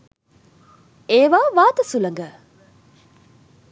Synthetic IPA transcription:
eːʋaːʋaːt̪ɐsulɐŋɡə

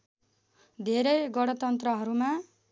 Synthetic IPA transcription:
d̪ʱeɾʌjɡʌɽ̃ʌt̪ʌnt̪rʌɦʌɾuma

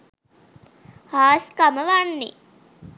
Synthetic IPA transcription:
haːskaməʋanːḭ

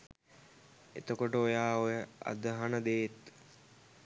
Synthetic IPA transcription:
ḛt̪əkoʈəojaːojəa̰d̪əɦanəd̪eːt̪

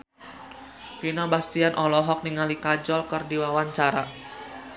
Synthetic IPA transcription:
finabast̪ianʔɔlɔɦɔk̚niŋalikad͡ʒɔlkərdiwawaɲt͡ʃaɾa

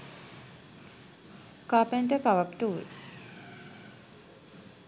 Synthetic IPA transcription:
kaːpeɳʈəkaʋapʈuʋḛ

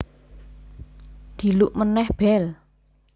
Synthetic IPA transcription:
d̪̥i̤luʔmənɛhb̥ɛl

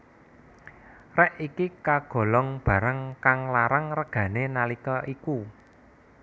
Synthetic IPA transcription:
rɛʔikikaɡ̥o̤lɔŋb̥ä̤ɾaŋkaŋlaɾaŋrəɡ̥ä̤nenalikɔʔiku

